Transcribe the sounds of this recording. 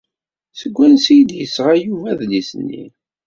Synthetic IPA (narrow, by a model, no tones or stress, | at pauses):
səɡʷːænsijd̪jəsːʁajuvæðlisənːḭ